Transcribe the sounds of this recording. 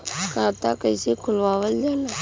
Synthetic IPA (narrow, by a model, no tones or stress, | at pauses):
kãːt̪aːkəisiːkʰʊlʋaːʋəld͡ʒaːna